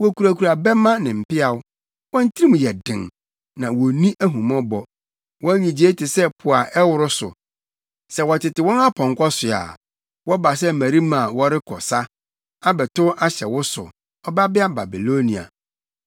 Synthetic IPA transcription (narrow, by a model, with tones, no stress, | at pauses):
wɔ˨kʰu˨ɾa˨kʰu˨ɾa˨bɛ˦mã˦nɪ̃˨m̩˨pɪ˦a˨wʊ˦ | wɔ̃˦n̩˦tʰi˦ɾi˦mũ˨jɛ˨dɪ̰̃˨ŋ | nã˨wɔ˨nĩ˦ʔæ˦ɦũ˨mɔ̃˦bɔ˨ | wɔ̃˦ɲĩ˨d͡ʑi˨e˦tʰɪ˨sɛ˦pʰʊ˨a˨ʔɛ˦wʊ˦ɾʊ˦sʊ̰˨ | sɛ˨wɔ˨tʰɪ˨tɪ˨wɔ̃˦na˦pʰɔ̃˨ŋ˨kʰɔ˦sʊ˨a̰˨ | wɔ˦ba˨s̬ɛ˦˨mæ̃˨ɾi˦mã˨wɔ˦ɾɪ˦kʰɔ̰˨sa˦ | a˦bɛ˨tʊ˦ʔa˦ɕɛ˨wʊ˦sʊ̰˨ | ɔ˦ba˦bɪ˦a˦ba˨bi˨lo˦nĩ˨a̰˨